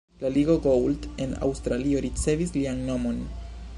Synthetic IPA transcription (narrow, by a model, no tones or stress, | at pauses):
laliɡo̞ɡowlde̞na̰wstɾalio̞ɾit͡se̞vislianːo̞mo̞n